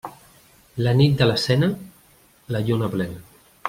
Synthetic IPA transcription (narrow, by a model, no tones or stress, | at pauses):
lənit̪̚d̪ələsɛnə | ləʎonaplɛn